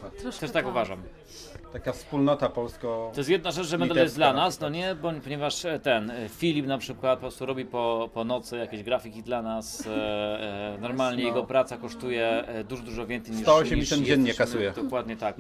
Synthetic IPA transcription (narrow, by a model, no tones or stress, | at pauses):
t̪ɛʂt̪akuvaʐam | t̪akafspulnɔt̪apɔlskɔɔjɛs̬tjɛd̪̚naʐɛt͡ʃʐɛmɛd̪alɛjɛzd̪lanasnɔɲɛbɔpɔɲɛvaʂt̪ɛnfʲilʲipnapʂɘkwat̪̚pɔpɾɔst̪uɾɔbʲipɔpɔnɔt̪sɘjakʲeʑɡɾafʲikʲid̪lanas | nɔɾmalɲɛjɛɡɔpɾat̪sakɔʂt̪ujɛd̪uʐɔd̪uʐɔvʲɛntsɛjɲiʂɔɕɛisɛmjɛnɲɛkasujɛd̪ɔkwad̪ɲɛt̪ak